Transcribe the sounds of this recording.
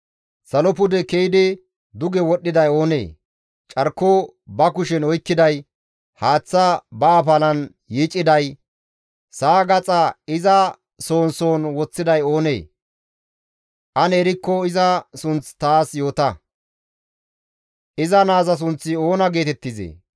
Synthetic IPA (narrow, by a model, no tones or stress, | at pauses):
sɐlɔpʊd̪ɛkejɪd̪ɪ | d̪ʊɡɛwɔɗːɪd̪ɐjo̞ːnḛː | t͡ʃʼɐɾkːo | bɐkʊʃɛnɔjkːɪd̪ɐj | haːt͡sːɐbɐːpɐlɐn | jiːt͡ʃʼːɪd̪ɐj | saːɡɐt͡sʼɐɪzɐ | so̞ːnso̞ːnwɔt͡sːɪd̪ɐjo̞ːnḛː | ʔɐnɛɾɪkːɔɪzɐsʊnt͡st̪aːsjo̞ːt̪ɐ | ʔɪzɐnaːzɐs̬ʊnt͡sːɪo̞ːnɐɡe̞ːt̪ɛt̪ːɪzḛː